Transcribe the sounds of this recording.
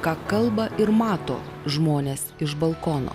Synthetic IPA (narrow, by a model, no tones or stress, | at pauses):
kɑːkɐlˠbɐʔɪɾmɑːt̪o̰ːʒmoːnʲeːsɪʒbɐlˠkɔno̰ː